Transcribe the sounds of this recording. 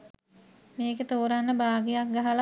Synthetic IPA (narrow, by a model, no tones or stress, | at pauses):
meːket̪oːɾanːəbaːɡijak̚ɡaɦal